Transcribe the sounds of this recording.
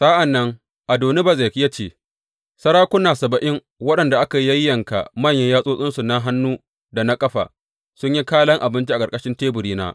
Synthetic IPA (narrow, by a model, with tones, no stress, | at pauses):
sa˦ʔa˨nːɐ˦ŋ | ʔa˨doː˨ne˦ba˨ze˨kʲja˦t͡ʃeː˦˨ | sɐ˦ɽaː˦kʷʊ˦naː˨sɐ˨bɐ˨ʔɪ˦ŋ | wɐ˦ɗɐ˨nda˨ʔa˦ka˨˦jɐ˦jːɐ˨ŋka̰˨mɐ˦˨ɲjɐ˦ɲjaː˦sʼoː˦sʼɪ˦nsu˨na˦ɦa˦nːuː˦ | da˨na˦kʼɐ˦ɸa̰˨ | sʊ˦ɲji˦kaː˦lɐ˦ŋʔa˨bɪ˦nt͡ʃi˦ʔa˨kʼɐ˨kʼɐ˦ʃɪ˦nteː˦bʊ˨ɾiː˦na̰ː˦